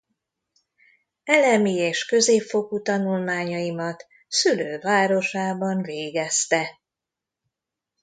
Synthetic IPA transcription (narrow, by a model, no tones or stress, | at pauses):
ɛlɛmieːʃkø̞zeːpfo̞kut̪ɒnulmaːɲɒimɒt̪ | syløːvaːɾo̞ʃaːbɒɱveːɡɛst̪ɛ